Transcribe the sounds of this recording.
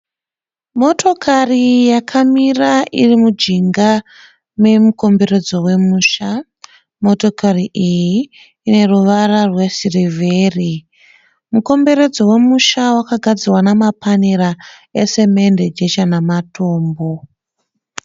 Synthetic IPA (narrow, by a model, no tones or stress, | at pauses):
mo̞tʰo̞kʰarijakʰamiraʔirimud͡ʒiŋɡa | me̞muko̞mbe̞re̞d͡zo̞we̞muːʃa | mo̞to̞kariʔijiː | ne̞ruʋararwe̞sirivʱeːri | muko̞mbe̞ɾe̞d͡zo̞we̞muʃawakaɡʱad͡zirwanamapaniɾaese̞me̞nded͡ʒet͡ʃanamato̞ːmbo̞